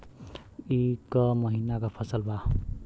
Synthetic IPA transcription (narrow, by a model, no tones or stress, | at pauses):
ikʌmʌɦinakapʰʌsʌlbʱa